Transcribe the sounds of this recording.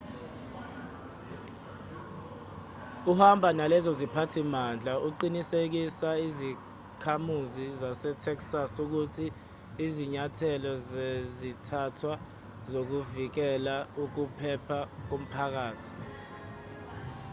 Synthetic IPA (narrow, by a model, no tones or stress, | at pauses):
uhambʱanalɛzɔzipʰatʰimand͡ɮʱauǃinisek̬isaizi | kʰamuzizasɛtʰɛksasuk̬utʰiː | ziɲatʰɛlɔzezitʰatʰwa | zok̬uvik̬ɛlauk̬upʰɛpʰak̬um̩pʰak̬aːtʰi̥